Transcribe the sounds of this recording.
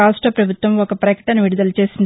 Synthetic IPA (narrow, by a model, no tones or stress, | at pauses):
aːsʈɐpɾɐbʱut̪ʋɐmɔkɐpɾɐkɐʈɐnɐʋiɽud̪ɐlɐt͡ʃe̞ːsind̪